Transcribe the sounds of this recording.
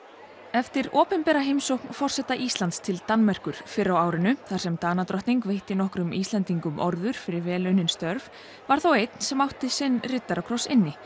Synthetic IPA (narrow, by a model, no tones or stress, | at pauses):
ɛft̪ɪɾɔːpɛnpɛɾaɦejmsowhknfɔr̥sɛht̪aʔiːst̪lant̪st̪ʰɪlt̪anmɛr̥kʏɾ̥fɪɾːawaːwɾɪnʏθḁsɛmt̪aːnat̪ɾɔht̪niŋkvejht̪ɪnɔhkɾʏmiːst̪lɛnt̪iŋkʏmʔɔ̰ɾðʏɾ̥fɪɾɪɾvɛːlʏnɪnst̪œɾv | vaɾ̥θawejt̪n̥sɛmawht̪ɪsɪnːrɪt̪ːaɾawkʰɾowsɪ̰nːɪ